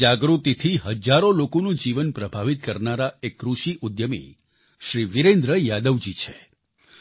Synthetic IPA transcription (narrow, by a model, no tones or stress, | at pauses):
aɡɾut̪it̪ʰiɦəd͡ʒaɾolokonũd͡ʒiʋənpɾəbʱaʋit̪̚kəɾnaɾaekːɾuʃiʔud̪jəmḭ | ʃɾiʋiɾẽnd̪ɾəjad̪əʋd͡ʒit͡ʃʰe